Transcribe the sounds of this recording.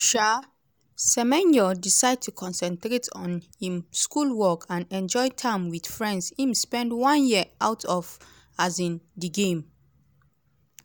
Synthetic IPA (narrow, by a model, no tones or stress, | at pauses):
ʃa | sɛmɛ̃nd͡ʒɔdisaɪd̚tʰukʰɔ̃nsɛ̃ntɾetʰɔ̃nhĩmskulwɔkʰãnɛ̃nd͡ʒɔɪtʰãɪ̃mwid̥fɹɛ̃ndshĩmspɛ̃ndwɔ̃njiəʔaʊtʰɔv | azĩndiɡẽm